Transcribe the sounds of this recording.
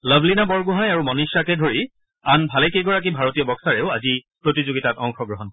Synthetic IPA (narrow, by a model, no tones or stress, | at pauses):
ləbʱlinabɔɹɡuɦajaɹumɔniʃakɛdʱoɹi | anbʱalɛkeɡɔɹak̬ibʱaɹotijɔbɔksaɹɛʊazipɹotizoɡitatɔŋxɔɡɹɔɦɔnk